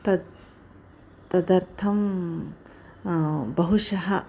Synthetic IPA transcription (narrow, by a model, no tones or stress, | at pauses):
t̪ɐ | t̪ɐd̪ɐɾt̪ʰɐm | bɐɦuʂɐɦɐ